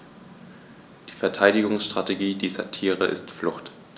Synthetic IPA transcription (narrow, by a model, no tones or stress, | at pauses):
d̥iːfɛɐtʰaɪdɪɡʊŋsʃtʁ̥ateɡiːdiːzɐ̰tʰiːʁəʔɪ̰stflʊχt